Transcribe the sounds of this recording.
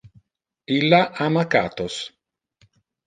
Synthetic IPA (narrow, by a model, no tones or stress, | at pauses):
ilːaʔamaka̰ːt̪os